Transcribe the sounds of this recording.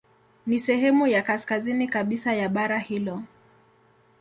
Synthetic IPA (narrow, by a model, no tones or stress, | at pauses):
nisɛɦɛmujakaskazinikaɓisajaɓaɾahilɔ